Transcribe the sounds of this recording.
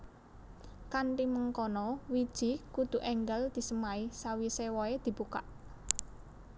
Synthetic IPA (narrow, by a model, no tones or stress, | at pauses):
kanʈiməŋkɔnɔwid̥ʒ̥i̤kud̪̥ṳʔɛŋɡəld̪̥i̤səmaisawisewɔed̪̥i̤b̥ukaʔ